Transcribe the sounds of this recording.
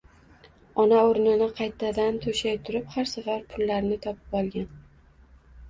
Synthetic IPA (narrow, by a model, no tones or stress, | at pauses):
ɒnaoɾnɪnɪqʰɑjt̪ʰad̪ant̪ʰʊʃajt̪ʰʊɾɪphaɾsavaɾpʰʊlːaɾnɪt̪ʰɒpɪ̥pɒlˠɡʲan